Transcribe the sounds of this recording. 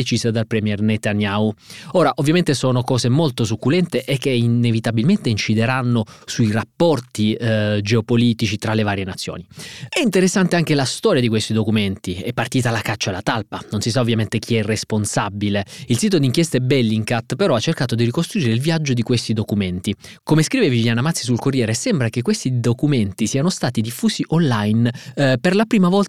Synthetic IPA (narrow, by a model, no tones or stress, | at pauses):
et͡ʃizad̪alpɾɛmjɛrnet̪anjauoːɾaʔovːjament̪esɔːnokɔːzemolt̪os̬ukːulɛnt̪eʔek̟ːeinevit̪abilment̪eint͡ʃid̪eɾanːosuirapːɔrt̪id͡ʒeopoliːt̪it͡ʃit̪ɾalevaːɾjenat̪sːjo̰ːniɛint̪eɾesːant̪eaŋk̟elast̪ɔːɾjad̪ikwest̪id̪okument̪iɛpːart̪iːt̪alakat͡ʃːaelat̪alpanonsisaovːjament̪ek̟ʰiɛrːesponsabileilsiːt̪̬od̪iŋkjɛst̪ɛbɛlːiŋkat̪peɾɔat͡ʃːerkaːt̪od̪irikost̪ɾuiːɾeilviad͡ʒːod̪ikwest̪id̪okument̪i | komeskɾiːvevivjaːnamat̪sːisulkorːjɛːɾesɛmbɾakekwest̪id̪okument̪isiːanost̪aːt̪id̪ifːuːsiʔonlajnperlapɾiːmavɔl